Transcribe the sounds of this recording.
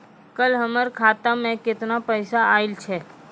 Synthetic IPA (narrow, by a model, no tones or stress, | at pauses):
kəlɦəməɾkʰaːt̪amɛ̃kɪt̪napəjsaaːilt͡ʃʰe